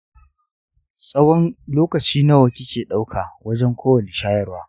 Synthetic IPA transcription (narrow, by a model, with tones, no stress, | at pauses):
sʼɐ˦wɔ˦nloː˦kɐ˨t͡ʃiː˦nɐ˦wɐ˨kʲi˦kʲʰeː˨ɗa˦wkʰaː˨wɐ˦d͡ʒɛ˦ŋkʷoː˦wɐ˨ne˨ʃaː˦jɐ˦rwaː˦